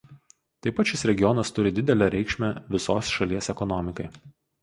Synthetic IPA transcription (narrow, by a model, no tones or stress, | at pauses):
t̪ɐɪpɐt̪ʃʲɪsɾʲɛɡʲɪjɔnɐst̪ʊɾʲɪd̪ʲɪd̪ʲɛlʲɛɾʲɛɪkʃʲmʲɛʋʲɪsoːsʃɐlʲiɛsɛkɔnɔmʲɪkɐɪ